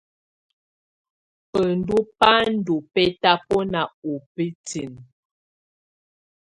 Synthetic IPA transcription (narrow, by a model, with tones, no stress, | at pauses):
pə˨ndu˦pa˦n̩˦du˨pɛ˦ta˦pɔ˦na˨u˨pi˦ti˨ŋ